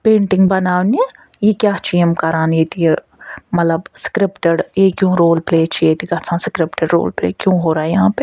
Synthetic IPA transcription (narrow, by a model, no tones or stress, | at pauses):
pẽːɳʈɪ̃ŋɡbɐnaːʋnie | jekjaːt͡ʃʰiəmkaːɾaːneːt̪ie | mɐt̪ləbskɾɪpʈəɽjekjõːɾoːlpleːt͡ʃʰijet̪iɡɐt͡sʰãːsɪkɾɪpʈəɖɾo̰ːlplḛːkjõːɦoːɾaːɦɛjɐɦãːpe